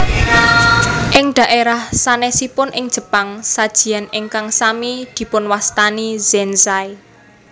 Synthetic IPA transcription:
ʔɪŋd̪̥a̤ʔeɾahsanɛsipʊnʔɪŋd̥ʒ̥ə̤paŋsad̥ʒ̥i̤janɪŋkaŋsamid̪̥i̤pʊnwast̪aniz̥ɛnsaj

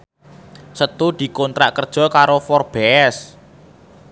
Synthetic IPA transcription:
sət̪ud̪̥i̤kɔnt̪ɾa̰ʔkərd̥ʒ̥ɔ̤kaɾofɔrb̥ɛs

